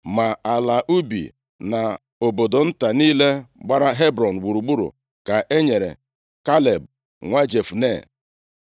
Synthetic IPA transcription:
ma˨a˨la˨ʔu˦bḭ˨ | na˨ | o˨bo˨do˨n̩˦ta˨niː˦le˦ɡ͡ba˦ɾa˦ɦe˦bɾɔ˨n̩˨wu˨ɾu˨ɡ͡bu˦ɾṵ˨ | ka˨ʔe˦ɲe˨ɾḛ˨ | ka˦le˨b̚ | ŋʷa˦d͡ʒe˨fu˨nḛ˦˨

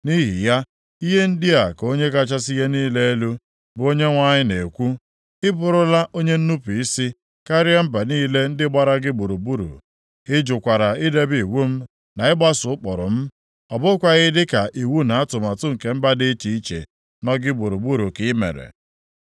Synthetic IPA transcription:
ni˦ɦḭ˨ja˦ | i˦ɦe˦n̩˦dɪ˦a˨ko˦ɲe˦ka˦t͡ʃa˦s̬i˦ɦe˦niː˦le˦e˦lu˦ | bʊ˨˦o˦ɲe˦ŋʷa˦ɲɪ˦ne˨kʷu˦ | ɪ˦bʊ˨ɾʊ˦la˦ʔo˦ɲe˦n̩˦nu˦pi˨i˦si˦ | ka˦ɾja˦m̩˦ba˨niː˦le˦n̩˦dɪ˦ɡ͡ba˦ɾa˦ɡɪ˦bu˨ɾu˨bu˦ɾṵ˨ | ɪ˦d͡ʒʊ˨kʷa˨ɾa˨ɪ˦de˦bi˨wu˦m̩˦ | na˨ɪ˦ɡ͡ba˦sʊ˨˦ʊ˦k͡pɔ˨ɾʊ̰˨m̩˦ | ɔ˨bʊ˦kʷa˨ɣɪ˦dɪ˦ka˨ʔi˨wu˦na˨a˦tʊ˨ma˨tʊ˦ŋ̩˨ke˨m̩˦ba˦dɪ˦t͡ʃi˨i˦t͡ʃḛ˨ | nɔ˦ɡɪ˦bu˨ɾu˨bu˦ɾu˨kɪ˨˦mḛ˨ɾḛ˨

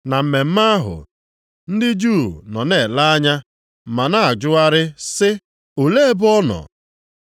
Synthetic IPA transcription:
na˨m̩˨me˨m̩˦ma˦a˦ɦʊ̰˨ | n̩˦dɪ˦d͡ʒuː˦˨nɔ˨ne˨la˦a˦ɲa˦ | ma˨na˦a˨d͡ʒʊ˦a˦ɾɪ˦sɪ˦ | o˨le˦e˦bʊ˦ɔ˦nɔ̰˨

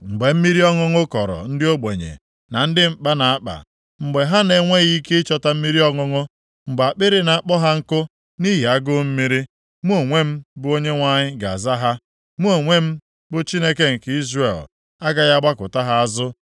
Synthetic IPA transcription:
ŋ͡m̩˨ɡ͡be˨m̩˦mi˦ɾi˦ɔ˦ŋʊ˦ŋʊ˦kɔ˨ɾɔ̰˨n̩˦dɪ˦o˦ɡ͡be˨ɲḛ˨ | na˨n̩˦dɪ˦m̩˨k͡pa˦na˨a˦k͡pa̰˨ | ŋ͡m̩˨ɡ͡be˨ɦa˦ne˦ŋʷe˦ɣi˦ke˦ɪ˦t͡ʃɔ˦ta˦m̩˦mi˦ɾi˦ɔ˦ŋʊ˦ŋʊ˦ | ŋ͡m̩˨ɡ͡ba˨k͡pɪ˦ɾɪ˦na˨a˦k͡pɔ˦ɦa˦ŋ̩˦kʊ˦ | ni˦ɦi˨a˦ɡʊ˦m̩˦mi˦ɾi˦ | mu˦o˨ŋʷe˦m̩˦bʊ˦o˦ɲe˦ŋʷa˦ɲɪ˦ɡa̰˨a˨za˦ɦa˦ | mu˦o˨ŋʷe˦m̩˦ | bʊ˦t͡ʃi˦ne˦ke˦ŋ̩˨ki˦zre˨l | a˦ɡa˦ɣa˦ɡ͡ba˦kʊ̰˨ta˦ɦa˦a˦zʊ˦

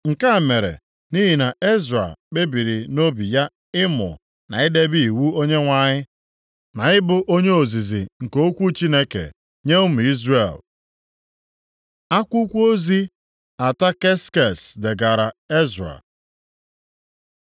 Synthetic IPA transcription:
ŋ̩˨ka˦˨me˨ɾḛ˨ | ni˦ɦi˨na˨ʔe˦zɾa̰˨k͡pe˦bi˨ɾi˨no˦bi˨ja˦ | ɪ˦mʊ̰˨ | na̰˨ɪ˦de˦bi˦i˨wu˦o˦ɲe˦ŋʷa˨ɲɪ˦ | na˨ɪ˦bʊ˨ʔo˦ɲe˦o˨zi˨zḭ˨ŋ̩˨ko˦kʷu˦t͡ʃi˦ne˦kḛ˨ | ɲe˦ʊ˦m̩˨i˦zre˨l | a˦kʷu˦kʷu˦o˦zi˦ | a˨ta˦ke˦ske˨sde˨ɡa˨ɾa˨e˦za̰˨

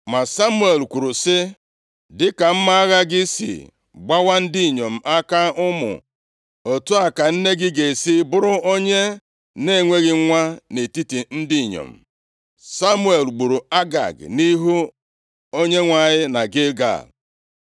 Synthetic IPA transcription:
ma˨sa˦mu˦e˨lkʷu˨ɾu˨sɪ˦ | dɪ˦ka˨m̩˦ma˦a˦ɣa˦ɡɪ˦sḭ˨ | ɡ͡ba˦wa˦n̩˦dɪ˦˨ɲo˨m̩˨ʔa˦ka˦ʊ˦mʊ̰˨ | o˨tu˦a˨ka˨n̩˦ne˦ɡɪ˦ɡe˨si˦bʊ˦ɾʊ˦o˦ɲe˦ | ne˦˨ŋʷe˦ɣɪ˨˦ŋʷa˦ne˨ti˦ti˨n̩˦di˦˨ɲo̰˨m̩˨ | sa˦mu˦e˨lɡ͡bu˨ɾu˨a˦ɡa̰˨ɡni˦ɦu˦ | o˦ɲe˦ŋʷa˦˨ɲɪ˦na˨ɡɪ˦ɡa̰˦˨

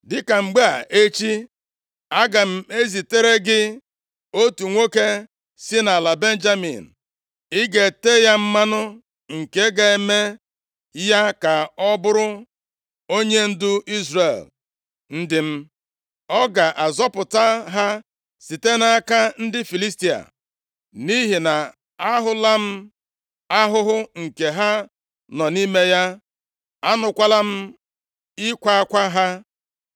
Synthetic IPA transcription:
dɪ˦ka˨ŋ͡m̩˨ɡ͡ba˦a˨ʔe˦t͡ʃi˦ | a˦ɡa˨m̩˦e˦zi˨te˦ɾe˦ɡɪ˦ | o˦tu˨ŋʷo˦ke˦ | sɪ˦na˨la˨be˦nd͡ʒa˦mḭ˨n̩˨ | ɪ˦ɡe˨te˦ja˦m̩˦ma˦nʊ˦ | ŋ̩˨ke˦ɡa˨e˨me˦ | ja˦ka˨ɔ˦bʊ˦ɾʊ˦ | o˦ɲe˦n̩˦dʊ˦ʔi˦zre˨l | n̩˦dɪ˨m̩˦ | ɔ˦ɡa˨ʔa˨zɔ˦pʊ˨ta˦ɦa˦ | si˨te˦na˦ka˦n̩˦dɪ˦fi˨li˦s̬ti˨a̰˨ | ni˦ɦi˨na˨ | a˦ɦʊ˦la˦m̩˦ | a˦ɦʊ˦ɦʊ˦ŋ̩˨ke˨ɦa˦ | nɔ˨ni˦me˦ja˦ | a˦nʊ˨kʷa˦la˦m̩˦ | ɪ˦kʷa˦a˦kʷa˦ɦa˦

